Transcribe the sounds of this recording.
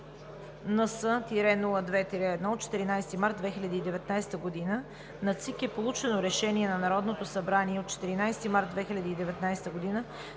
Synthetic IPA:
nəsət̪iɾɛnuləd̪vɛt̪iɾɛːd̪nɔot̪̚t͡ʃɛ̥t̪iɾinajst̪imaɾt̪̚d̪vɛxilʲɐd̪iːd̪ɛvɛt̪najst̪əɡod̪inə | nɐt̪sikɛpolˠut͡ʃɛnoɾɛʃɛniɛnɐnɐɾɔd̪not̪osɐbɾaniɛot̪̚t͡ʃɛ̥t̪iɾinajst̪imaɾt̪̚d̪vɛxilʲɐd̪iːd̪ɛvɛt̪najst̪əɡod̪inə

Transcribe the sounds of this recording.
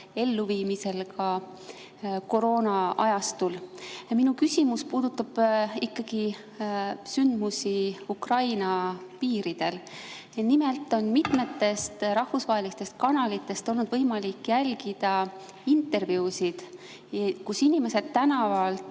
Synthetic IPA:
e̞lːuviːmise̞lkɑ | ko̞ɾo̞ːnɑʔɑjɑst̪ulminukysʲimuspuːd̪̥ut̪ːˑɑb̥ikːɑɡ̥i | synd̪̥musiukrɑjnɑpiːɾid̪̥e̞l | nimelt̪ːˑo̞nmit̪me̞t̪ːe̞st̪ɾɑhfusvɑɦe̞list̪e̞st̪̚kɑnɑlit̪ˑːe̞st̪o̞lnud̪̥vɤjmɑlikːjælɡid̪̥ɑ | int̪e̞rvjuːsid̪̥ | kusinime̞se̞d̪̥̚t̪ːænɑvɑlt̪

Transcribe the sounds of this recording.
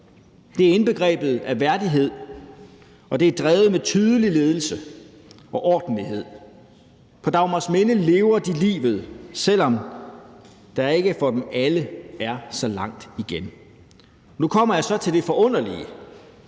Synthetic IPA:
d̥e̝æɐe̝nb̥e̝ɡ̥ʁɛ̰ːb̥ð̞̩ˠæʋæɐd̥iɦe̝ð̞̰ˠ | ɒ̽d̥e̝æɐd̥ʁɛːʊð̩ˠmet͡sʰyːð̞ˠəlile̝ːð̞ˠl̩sə | ɒ̽ʔɒːd̥n̩liɦe̝ð̰ˠ | pʰɒ̽d̥ɑ̈ʊmɑsmenəle̝ːʊɐd̥ilḭːʋð̞̩ˠsel̰ɒ̽m | d̥ɑ̈æɐe̝ɡ̥əfɒ̽d̥emæləæɐsɒ̽lɑ̈ŋ̰d̥iɡ̥en | nukʰɒ̽m̰ɐjɑ̈sɒ̽t͡sʰe̝ld̥e̝fɒ̽ʔɔ̽n̰ɐliə

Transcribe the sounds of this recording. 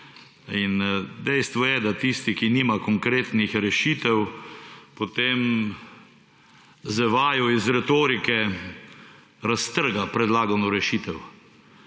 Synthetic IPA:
ind̪ɛjst̪ʋɔjɛd̪at̪ist̪ikiniːmakɔŋkɾeːt̪nixɾɛʃiːt̪ɛw | pot̪em | zɛʋaːjɔizɾɛt̪oːɾikɛ | ɾast̪əɾɡapɾɛd̪laːɡanɔɾɛʃiːt̪ɛw

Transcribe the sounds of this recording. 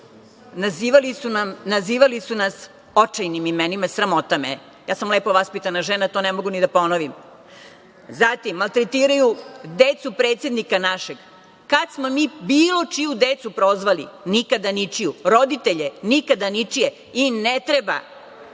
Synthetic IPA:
naziʋalisunamnaziːʋalisunas | ot͡ʃajnimimenimasɾamo̞t̪amḛ | jaːsamle̞ːpo̞ʋaspit̪anaʒenat̪o̞nemo̞ɡunid̪apo̞noʋim | zat̪imːalˠt̪ɾet̪iːɾajud̪et̪supɾe̞ːt̪sje̞d̪nikanaʃeɡ | kad̪smo̞miːbiːlˠo̞t͡ʃijud̪et̪supɾo̞zʋalḭnikad̪anit͡ʂijuɾo̞d̪it̪e̞ʎenikad̪anit͡ʂije | inet̪ɾeba̰

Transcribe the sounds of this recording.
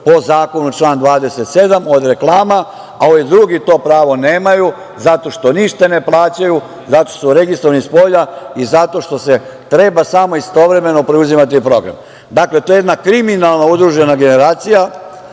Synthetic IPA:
po̞zaːko̞nut͡ʃlˠaːnd̪ʋaːd̪e̞se̞t̪se̞d̪amo̞d̪ɾe̞klˠaːma | aoʋid̪ɾuɡit̪o̞ːpɾaːʋo̞neːmaju | zat̪o̞ʃt̪o̞niʃt̪ane̞plˠaːt͡ɕaju | zat̪osuɾe̞ɡist̪ɾoʋanispo̞ʎaizat̪o̞ʃt̪o̞se̞ | t̪ɾe̞basamo̞ist̪o̞ʋɾe̞me̞no̞pɾeuzimat̪̬ipɾo̞ɡɾa̰m | d̪akle̞t̪ojeed̪nakɾiminalˠnaud̪ɾuʒe̞naɡe̞ne̞ɾaːt̪sija

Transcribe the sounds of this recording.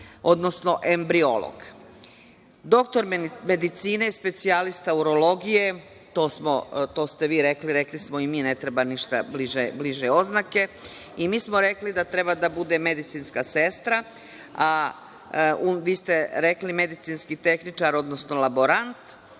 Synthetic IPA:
o̞d̪no̞sno̞ʔe̞mbɾio̞̰lˠo̰ɡ̥ | d̪o̞kt̪o̞ɾme̞d̪it̪siːneispe̞t̪sialist̪auɾo̞lo̞ɡije̞ | t̪oːsmot̪o̞ːst̪e̞ʋiːɾe̞kliɾe̞klismo̞imiːne̞t̪ɾebaniʃt̪abliʒebliʒeo̞znake̞ | imiːsmo̞ɾe̞klid̪at̪ɾe̞bad̪abud̪e̞me̞d̪it̪siːnskase̞st̪ɾa | a | uʋiːst̪eɾe̞klime̞d̪it̪sinskit̪e̞xnit͡ʃaɾo̞d̪nosno̞labo̞ɾant̪

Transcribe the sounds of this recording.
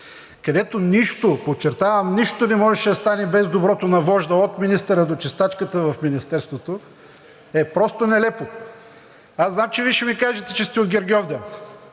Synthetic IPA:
kɐd̪ɛt̪oniʃt̪opot͡ʃːɛɾt̪avɐmniʃt̪onɛmɔʒɛʃɛd̪ɐst̪anɛbɛzd̪obɾɔt̪onɐvɔʒd̪əot̪minist̪ɛɾəd̪ot͡ʃɛst̪at͡ʃkət̪əvɐfminist̪ɛɾst̪vot̪o | ɛpɾɔst̪onɛlɛpo | aznamt͡ʃɛviʃɛmikaʒɛt̪ɛt͡ʃɛst̪ɛod̪ɡʲɛɾɡʲiɔvd̪ɛ

